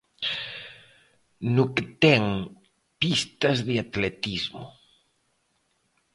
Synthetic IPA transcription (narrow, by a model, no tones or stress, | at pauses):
nʊkt̪ɛŋ | pist̪ɐzðeat̪let̪izmʊ̰